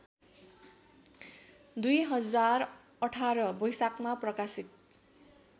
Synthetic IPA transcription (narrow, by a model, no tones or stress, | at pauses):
d̪ujɦʌd͡zar | ʌʈʰaɾʌbʌjsakmaprʌkasit̪̚